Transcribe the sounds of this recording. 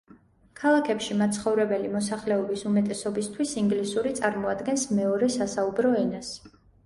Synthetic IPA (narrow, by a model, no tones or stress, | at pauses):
kʰalˠakʰɛpʃimat̪sʰχɔvɾɛbɛlimɔsaχlɛɔbisumɛt̪ʼɛsɔbist̪ʰwisiŋɡlisuɾit̪sʼaɾmɔad̪ɡɛnsmɛɔɾɛsasaubɾɔɛnas